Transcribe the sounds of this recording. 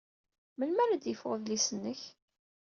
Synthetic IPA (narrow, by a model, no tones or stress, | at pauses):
məlmæɾæd̪jəfʁəðlisənːəç